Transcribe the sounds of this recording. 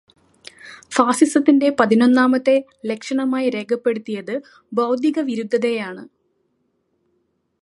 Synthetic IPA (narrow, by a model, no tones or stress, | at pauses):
faːsisɐt̪ːinde̞pɐðinonːaːmɐt̪ːe̞ | lekʂɐɳɐmaːjiɾe̞ːɡʰʱɐpːe̞ɽut̪ːijɐðɨ | bɐwd̪ʱiɣɐʋiɾud̪ʱːɐðe̞jaːɳɨ